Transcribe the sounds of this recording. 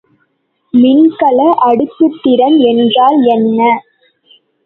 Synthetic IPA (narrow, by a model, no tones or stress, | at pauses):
mɪnkɐlɐʔɐɽɯt̪ːɯt̪ːɪɾɐnɛndraːlɛnːɐ